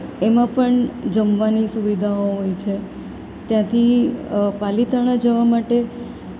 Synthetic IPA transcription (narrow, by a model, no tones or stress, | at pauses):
emãpəɳd͡ʒəmʋanisuʋid̪ʱaoɦojt͡ʃʰe | t̪jãt̪ʰipalit̪əɽ̃ad͡ʒəʋamaʈe